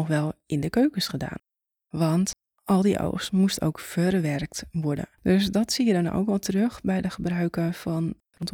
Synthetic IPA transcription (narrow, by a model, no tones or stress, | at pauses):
ɔxʋɛlˠɪndəkøːkəsχəda̰ːn | ʋɔnt | ʔɔlˠdiʔo̰ːxstmusto̰wkfərʋɛrk̚tʋɔɹdə̰døsdɔtsiədɔno̰wkʋɔlˠtərøxbɛjdəχəbrœɥkəfɔn | nt